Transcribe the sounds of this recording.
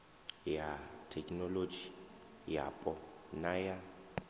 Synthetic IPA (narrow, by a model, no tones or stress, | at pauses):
jatʰɛkʼnɔlod͡ʒi | ja̰pʼɔnaja